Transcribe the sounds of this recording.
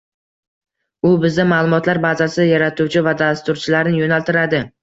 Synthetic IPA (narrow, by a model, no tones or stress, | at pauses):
ʊbɪzamalˠʊmɒt̪ʰlaɾbazasɪjaɾat̪ʰuwt͡ʃʰɪvad̪ast̪ʊɾt͡ʃʰɪlaɾnɪjonalt̪ɪɾad̪ɪ